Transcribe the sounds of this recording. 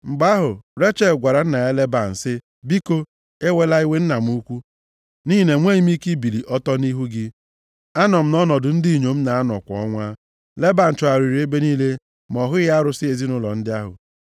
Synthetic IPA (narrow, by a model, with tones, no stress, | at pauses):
ŋ͡m̩˨ɡ͡ba˦ɦʊ˨ɾe˦t͡ʃe˦˨ɡʷa˨ɾa˨n̩˦na˨ja˦le˦ba˨n̩˨sɪ˦ | bi˦ko˦ | e˦we˦la˦i˦we˦n̩˦na˨m̩˦u˦kʷu˦ | ni˦˨ne˨ŋʷe˦i˦m˦i˦ki˦bi˨li˨ʔɔ˦tɔ˦ni˦ɦu˦ɡɪ˦ | a˦nɔ˨m̩˦nɔ˦nɔ˨dʊ˨n̩˦di˦˨ɲo˨m̩˦na˨a˦nɔ̰˨kʷɔ̰˨ɔ˦ŋʷa˦ | le˦ba˨n̩˨t͡ʃɔ˨a˨ɾi˨ɾi˨˦e˦be˦niː˦le˦ | m˨ɔ˨ɦʊ˦ɣa˦ɾʊ˨sɪ˦e˨zi˦nʊ˦lɔ̰˨n̩˦dɪ˦a˦ɦʊ̰˨